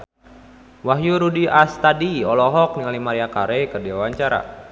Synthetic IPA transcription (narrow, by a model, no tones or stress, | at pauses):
waɦjuɾudiast̪adiɔlɔɦɔk̚niŋalimaɾiakaɾekərdiawaɲt͡ʃaɾa̰